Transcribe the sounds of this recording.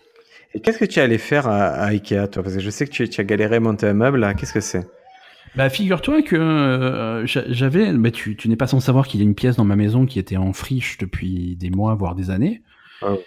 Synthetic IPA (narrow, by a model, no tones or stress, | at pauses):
ekʲɛskət̪yalɛfɛʁaa̰ikʲeat̪wapaʁskəʒəsɛkət̪yt̪yaɡaleʁemɔ̃t̪eãmœblkʲɛskəsɛ | bafiɡʲyʁt̪wakə | ʒaʒavɛbɛt̪ʰyt̪ynɛpasɑ̃savwaʁkiljaynpjɛs̬d̪ɑ̃mamezɔ̃kʲiet̪ɛɑ̃fχiʃd̪əpʰɥid̪emwavwaʁd̪ezane